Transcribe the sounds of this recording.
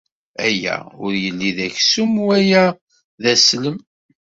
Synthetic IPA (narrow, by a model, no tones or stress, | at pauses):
æjːæ̰ʊɾjəlːiðæçsumwæjæ | ðæsləm